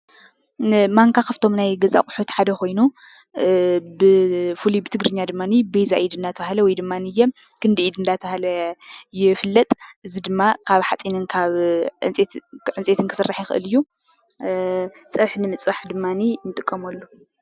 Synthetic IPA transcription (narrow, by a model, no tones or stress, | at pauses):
maŋkʰaxɐft̪ʰo̞mnajɡɐza̰kʼʊħut̪ħad̪ɐko̞jnu | bɨfulibɨt̪ʰɨɡɾɨɲːad̪ɨmːanibejzaʔid̪ɨnd̪at̪ʰɐβahlɐwɔjd̪ɨmːanijːɛm | kʰɨnd̪ɨid̪ɨnd̪at̪ʰɐahlɐjɪfɨlːɐt̪ʼʔɨzid̪ɨmːakʰaβħat͡sʼinɨnkʰaβɨt͡sʼʕɨnt͡sʼet̪ʰɨnkʰɨ̥sɨrːaħjɪxɨ̰ʔɨ̰lɨjːu | sʼɐβħnɨmɨt͡sʼβaħd̪ɨmːaninɨt̪ʼɨkʼːɐmɐlːu